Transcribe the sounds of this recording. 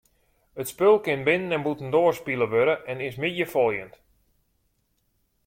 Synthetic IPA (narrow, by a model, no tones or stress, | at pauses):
ətspølˠkɪnbɪnənɛnbutən̩doərspilˠəʋøɾəʔɛnɪsmɪdjəfɔlˠjənt